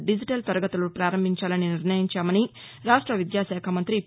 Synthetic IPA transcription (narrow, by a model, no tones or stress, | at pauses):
ɖid͡ʒiʈɐlt̪ɐɾɐɡɐt̪ulupɾaːɾɐmbʱiɲt͡ʃaːlɐniniɾnɐjiɲt͡ʃaːmɐniɾaːʂʈɾɐʋid̪jaːʃɛːkʰɐmɐnt̪ɾi